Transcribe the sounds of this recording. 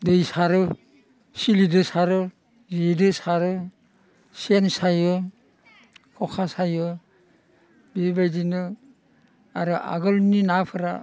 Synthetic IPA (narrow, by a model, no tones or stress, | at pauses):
dejsaɾɯ | silidɯsaɾɯ | zidɯsaɾɯ | sensajɯ | kʰɔkʰasajɯ | bibajdinɯ | a̰ɾɯʔa̰ɡɯlninapʰɯɾa̰